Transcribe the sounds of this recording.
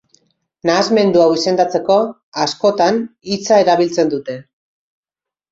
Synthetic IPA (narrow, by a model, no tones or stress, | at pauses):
naːzme̞nd̪uawise̞nd̪at͡se̞ko̞ | asko̞t̪anit͡saeɾaβ̞ilt͡se̞nd̪ut̪e̞